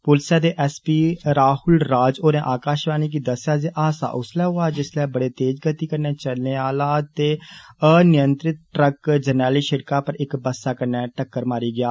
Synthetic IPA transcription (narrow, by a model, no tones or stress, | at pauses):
pʊlsjaːd̪eːʔɛːspiːɾaːhʊlɾaːd͡ʒoːneːʔaːkaːʃɾaːniːk̬id̪əsjaːziːʔaːsa̰ːʔʊslɛːɦoːaːd͡ʒɪslɛːbəɽeːt̪eːd͡ʒɡət̪iːkəɾneːt͡ʃəlneːaːlaːt̪eːənɪjənt̪ɾɪt̪̚ʈɾəkd͡ʒənɛːliːʃɪɾkaːpəɾɪkbəsaːkəɾnɛːʈəkːəɾmaːɾiːɡɪaː